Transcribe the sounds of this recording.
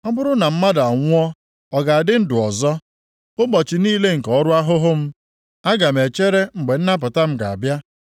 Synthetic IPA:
ɔ˦bʊ˦ɾʊ˦na˨m̩˦ma˦da˨ŋʷʊ˦ɔ˦ | ɔ˨ɡa˨a˨dɪ˦n̩˦dʊ˨ɔ˨zɔ˦ | ʊ˦bɔ˨t͡ʃi˨niː˦le˦ŋ̩˨kɔ˨˦ɾʊ˦a˦ɦʊ˦ɦʊ˦m̩˦ | a˦ɡa˨m̩˨e˨t͡ʃe˦ɾe˦ŋ͡m̩˨ɡ͡be˨n̩˦na˦p̬ʊ˨ta˦m̩˦ɡa˨a̰˨bja˦

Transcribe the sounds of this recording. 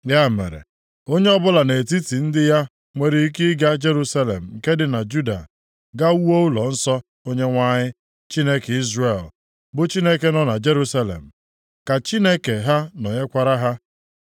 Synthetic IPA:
ja˦˨mḛ˨ɾḛ˨ | o˦ɲe˦ɔ˦bʊ˦la˨ne˨ti˦ti˨n̩˦dɪ˦ja˦ | ŋʷe˦ɾi˦i˦kɪ˦ɡa˦d͡ʒe˦ɾu˦sa˦lḛ˨m̩˨ŋ̩˨ke˦dɪ˨na˨d͡ʒu˦da̰˨ | ɡa˦u˦o˦u˦lɔ˨n̩˦sɔ˦ | o˦ɲe˦ŋʷa˦ɲɪ˦ | t͡ʃi˦ne˦ki˦zre˨l | bʊ˦t͡ʃi˦ne˦ke˦nɔ˦na˨d͡ʒe˦ɾu˦sa˦lḛ˨m̩˨ | ka˨t͡ʃi˦ne˦ke˨ɦa˦nɔ˨ɲe˦kʷa˦ɾa˦ɦa˦

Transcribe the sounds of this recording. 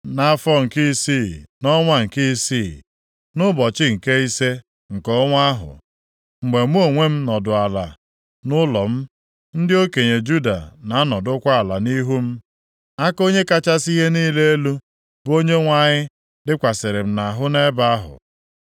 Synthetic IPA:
na˨˦fɔ˦ŋ̩˨ki˦si˦˨nɔ˦ŋʷa˦ŋ̩˨ki˦si˦˨ | nʊ˦bɔ˨t͡ʃɪ˦ŋ̩˨ke˦i˦se˦ | ŋ̩˨kɔ˦ŋʷa˦ɦʊ̰˨ | ŋ͡m̩˨ɡ͡be˨m˦o˦˨ŋʷe˦m̩˦nɔ˨dʊ˨a˨la̰˨ | nʊ˦lɔ˨m̩˦ | n̩˦dɪ˦o˦ke˨ɲe˨d͡ʒu˦da̰˨na˨a˦nɔ˨dʊ˦kʷa˦a˨la˨ni˦ɦu˦m̩˦ | a˦ko˦ɲe˦ka˦t͡ʃa˦si˦ɦe˦niː˦le˦e˦lu˦ | bo˦ɲe˦ŋʷa˨ɲɪ˦ | dɪ˦kʷa˨sɪ˨ɾɪ˨m̩˦na˨ɦʊ˦ne˦ba˦a˦ɦʊ̰˨

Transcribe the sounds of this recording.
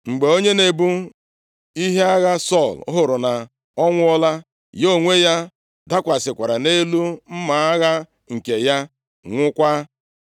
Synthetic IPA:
ŋ͡m̩˨ɡ͡be˨o˦ɲe˦ne˨bu˦ | i˦ɦe˦a˦ɣa˦sɔ˦˨l̰ɦʊ˨ɾʊ˨na˨ | ɔ˦ŋʷʊ˦ɔ˦la˦ | jo˦˨ŋʷe˦ja˦ | da˦kʷa˨sɪ˨kʷa˨ɾa˨ne˦lu˦m̩˦ma˨˦a˦ɣa˦ | ŋ̩˨ke˨ja˦ | ŋʷʊ˦kʷa˦

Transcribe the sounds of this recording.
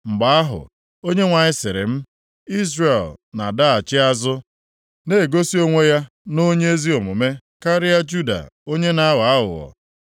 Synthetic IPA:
ŋ͡m̩˨ɡ͡ba˦a˦ɦʊ̰˨ | o˦ɲe˦ŋʷa˨ɲɪ˦sɪ˨ɾɪ̰˨m̩˦ | i˦zre˨lna˨da˦a˨t͡ʃɪ˦a˦zʊ˦ | ne˦˨ɡo˦si˦o˦ŋʷe˦ja˦ | no˦ɲe˦e˦zi˦o˨mʊ˨me˦ | ka˦ɾɪ˦ja˦d͡ʒu˦da̰˨o˦ɲe˦na˦wa˨a˦ɦʊ̰˨ɔ̰˨

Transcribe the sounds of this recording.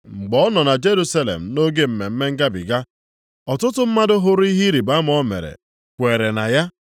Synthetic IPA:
ŋ͡m̩˨ɡ͡bɔ˦ɔ˦nɔ˨na˨d͡ʒe˦ɾu˦sa˦lḛ˨m̩˨no˦ɡe˦m̩˨me˨m̩˦me˦ŋ̩˦ɡa˦bḭ˨ɡa˦ | ɔ˨tʊ˦tʊ˦m̩˦ma˦dʊ˦ɦʊ˦ɾi˦ɦi˦ɾi˨ba˦m̩˦ɔ˦mḛ˨ɾḛ˨ | kʷe˨ɾe˨na˨ja˦

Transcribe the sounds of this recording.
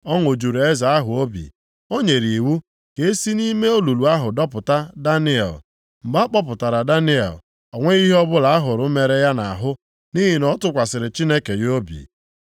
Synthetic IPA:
ɔ˦ŋo˨d͡ʒu˨ɾe˦za˨a˦ɦʊ˨o˦bḭ˨ | o˦ɲe˨ɾi˨wu˦ | ke˦si˦ni˦me˦o˦lu˨lu˨a˦ɦʊ˨dɔ˦pʊ˨ta˦da˦nɪ˦ɛ̰˨l | m̩˨ɡ͡ba˦k͡pɔ˦p̬ʊ˨ta˨ɾa˨da˦nɪ˦ɛ̰˨l | ɔ˨ŋʷe˦i˦ɦɔ˦bʊ˦la˨a˦ɦʊ˨ɾʊ˦me˨ɾe˦ja˦na˨a˨ɦʊ˦ | ni˦ɦi˨nɔ˦tʊ˦kʷa˨sɪ˨ɾɪ˨t͡ʃi˦ne˦ke˨jo˦bḭ˨

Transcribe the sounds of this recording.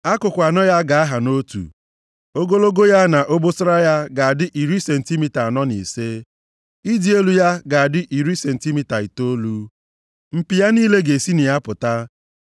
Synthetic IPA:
a˦kʊ˨kʷa˨nɔ˦ja˦ɡa˨a˦ɦa˨no˦tṵ˨ | o˦ɡo˦lo˦ɡo˦ja˦na˨ʔo˦bo˦sʊ˦ɾa˦ja˦ɡa˨a˨dɪ˦ʔi˨ɾi˦se˨n̩˨ti˦mi˨ta˨a˨nɔ˦nḭ˨se˦ | i˦di˨˦e˦lu˨ja˦ɡa˨a˨dɪ˦ʔi˨ɾi˦se˨n̩˨ti˦mi˦ta˨i˨to˦lu˦ | m̩˨pi˨ja˦niː˦le˦ɡe˨si˦nɪ˨ja˦pʊ˨ta˦

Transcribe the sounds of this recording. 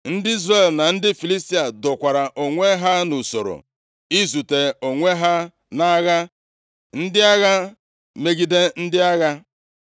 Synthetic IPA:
n̩˦dɪ˦i˦zre˦˨lna˨n̩˦dɪ˦fi˨li˦sti˦a˨dʊ˨kʷa˨ɾa˨ʔo˨ŋʷe˦ɦa˦nu˨so˨ɾo̰˨ | i˦zu˨te˨o˨ŋʷe˦ɦa˦ | na˦ɣa˦ | n̩˦dɪ˦a˦ɣa˦ | me˦ɡi˦de˦n̩˦dɪ˦a˦ɣa˦

